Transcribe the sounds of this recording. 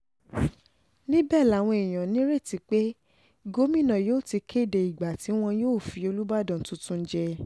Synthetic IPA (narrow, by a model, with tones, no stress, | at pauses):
nĩ˦bɛ˦˨la˨˦˨w̃ɔ̃˧e˨j̃ã˨nĩ˨˦ɾe˦˨ti˧˦k͡pe˦ | ɡo˦mĩ˦˨nã˨joː˦˨ti˧kʰe˦˨de˧i˨ɡ͡ba˨ti˨˦w̃ɔ̃˧joː˦˨fi˧o˧lu˦ba˦˨dɔ̃˦˨n̩˨˦tũ˦tũ˦n̩˦d͡ʒɛ˧